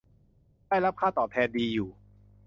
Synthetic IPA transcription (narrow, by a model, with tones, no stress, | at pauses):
daː˥˩jɾa˦˥p̚kʰaː˥˩t̪ɔː˨˩t̪ʰɛː˧ndiː˧juː˨˩